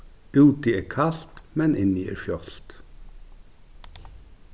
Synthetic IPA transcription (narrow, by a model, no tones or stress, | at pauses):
ʉːt̪ieːkʰɑlt̪mɛnʔɪniʔḛːɾfjɔlt̪